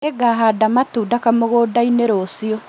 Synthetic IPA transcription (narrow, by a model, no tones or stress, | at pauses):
eɡaɦadamatuːdakamoɣoːdaineɾosio